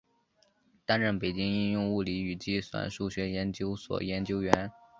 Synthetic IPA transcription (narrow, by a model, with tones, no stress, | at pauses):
t̪a˥nɻə˥˩npe˨˩ɪt͡ɕi˥ŋi˥˧njʊ˥˧ŋu˥˩li˧˥y˨˩t͡ɕi˥swa̰˨˩nʂu˥˩ɕɥɛ˧˥jɛ˧˥nt͡ɕjo˥ʊswɔ̰˨˩jɛ˧˥nt͡ɕjo˥ʊɥɛ˧˥n